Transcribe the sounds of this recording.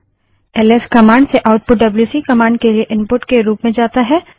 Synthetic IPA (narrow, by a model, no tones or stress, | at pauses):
ɛleskɐmãːɳɖseʔaʊʈ̚pʊʈ̚ɖɐbljuːsiːkɐmãːɳɖkelieʔɪ̃mpʊʈkeɾuːpmẽd͡ʒaːt̪aɦɛː